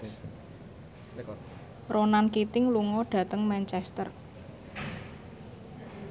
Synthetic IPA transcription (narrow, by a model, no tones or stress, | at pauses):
rʔonankit̪ɪŋluŋɔɖ̥ä̤t̪əŋmɛnt͡ʃɛst̪ə̰r